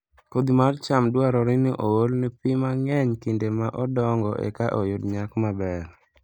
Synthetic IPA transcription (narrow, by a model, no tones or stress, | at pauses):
kod̪imart͡ʃamdwaɾɔɾɪniʔoolnipɪmaŋɛɲkindemaʔɔdɔŋɡɔʔɛ̰kaʔɔjʊdɲakmabɛr